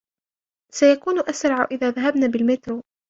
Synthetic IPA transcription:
sajakuːnʊʔasɾˤɑʕʊʔɪðaːðaɦabnaːbɪlmɪt̪ɾu

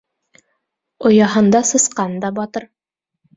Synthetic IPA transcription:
ŏjɑɦɤ̆nd̪ɑsɤ̆sqɑnd̪ɑbɑt̪ɤɾ

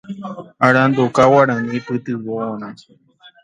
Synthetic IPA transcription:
aɾãnd̪okawaɾãnĩpɨt̪ɨβoonã

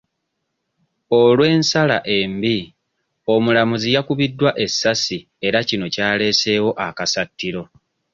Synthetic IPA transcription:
o̞lwe̞ːnsala̰ʔe̞mbi | o̞mulamuzijakuβidːwaʔe̞sːasi | e̞ɾacino̞caːle̞ːse̞ːwo̞ʔakasatːiɾo̞

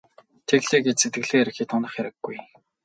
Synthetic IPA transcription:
t̪ʰeɣɮeːɡet͡ɕset̪ɡɘ̆ɣɮeːeɾɘ̆xiːt̪ʰʊnə̆χjæɾɪ̆ɡːuj

